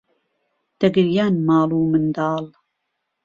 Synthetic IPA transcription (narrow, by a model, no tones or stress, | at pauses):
d̪̥ɐɡɨɾjaːnmɑːluːmɨnd̪ɑːl